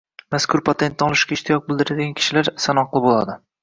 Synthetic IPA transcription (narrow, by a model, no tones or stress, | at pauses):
maskʰʊɾpʰat̪ʰe̞nt̪nɪɒlˠɪʃkʲaɪʃt̪ʰijɒk̚bɪld̪ɪɾad̪ɪɡʲankʰʲɪ̥ʃɪlaɾsanɒqlˠɪbolˠa̰d̪ɪ